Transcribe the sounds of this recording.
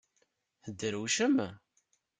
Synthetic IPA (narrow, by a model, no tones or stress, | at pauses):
θəd̪ːəɾuʃəm